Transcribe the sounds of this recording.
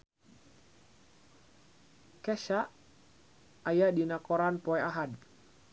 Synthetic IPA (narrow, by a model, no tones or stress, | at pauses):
kɛʃaʔ | ajadinakɔɾanpɔɛaɦad